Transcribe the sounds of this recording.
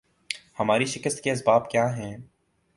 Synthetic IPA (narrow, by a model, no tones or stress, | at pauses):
hɐmaːɾiʃɪkəst̪keɐs̬baːbkjaːɦɛ̃ː